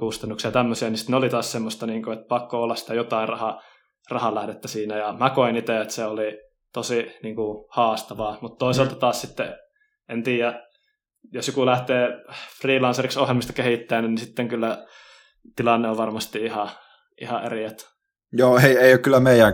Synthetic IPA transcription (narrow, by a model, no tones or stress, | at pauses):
kust̪ɑnːuksiɑt̪æmːøsiɑnisi̥t̪neolit̪ɑːssemːost̪ɑniːŋkuet̪̚pɑkːoolːɑssi̥t̪æjot̪ɑˑirɑhɑ | rɑhɑlæhdet̪ːæsiːnæjɑmækoinit̪eet̪seoli | t̪osiniːŋkuhɑːst̪ɑʋɑːmut̪t̪oˑiselt̪ɑt̪ɑːssit̪ːḛ | ent̪iːjæ | josjokulæht̪eːfriːlɑnseriksohjelmist̪ɑkehit̪ːæːnænnisit̪ːeŋkylːæ | t̪ilɑnːeoʋʋɑrmɑst̪iihɑ | ʔḭhɑʔḛriæt̪ | joːeieˑijokylːˑæmeˑijˑæŋ